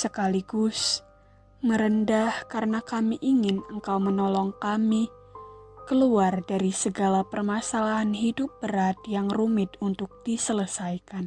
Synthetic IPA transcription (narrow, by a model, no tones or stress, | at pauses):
səkaliɡʊs | məɾəndahkaɾənakamiʔiŋɪnəŋkawmənɔlɔŋkami | kəluardaɾisəɡalapərmasalaɦanɦidʊp̚bəɾat̪̚jaŋrumɪt̪unt̪ʊk̚d̥isələsajkan